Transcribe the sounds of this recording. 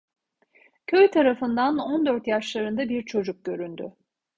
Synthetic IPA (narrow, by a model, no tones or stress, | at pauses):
cʰøjt̪ʰaɾafɯnd̪anɔnd̪øɾt̪jaʃlˠaɾɯnd̪abiɾt͡ʃʰo̞d͡ʒuk̚ɟø̞ɾynd̪ʏ̰